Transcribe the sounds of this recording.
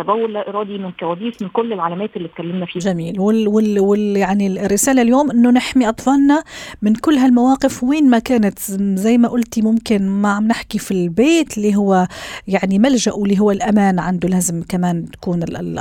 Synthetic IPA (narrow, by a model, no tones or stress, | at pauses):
æb̪æwːʊlːæʔɪɾˤɑːd̪imɪnkæwæːd̪iːsmɪnkʊlːɪlʕalæmæːt̪ɪlːit̪̚kælːɪmnæfiːʒæmiːlwɪwɪwɪjaʕnirːɪsæːlaljoːmʔɪnːʊnɪħmiʔɑt̪ˤfɑːlnɑmɪnkʊlːɦælmawæːqɪfwiːnmækæːnɪt̪zæjːmæʔʊlt̪imʊmkɪnmaʕamnɪħkifilbeːt̪lːiɦʊwːæjaʕnimælʒaʔwɪlːiːɦʊwːælʔæmæːnʕand̪ulæːzɪmkæmæːnt̪kuːnɪl